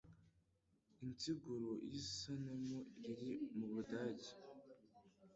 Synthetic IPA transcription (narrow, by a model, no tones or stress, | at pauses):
intiɡuɾoʔisanamoiɾimuβudaːɟi̥